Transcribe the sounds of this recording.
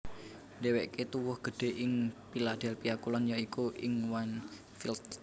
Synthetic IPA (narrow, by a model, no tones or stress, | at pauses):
ndeweʔket̪uwʊhɡ̥ə̤ɖ̥e̤ʔɪŋpilad̥ɛlpijakulɔnjaikuʔɪŋwan | filt̪̚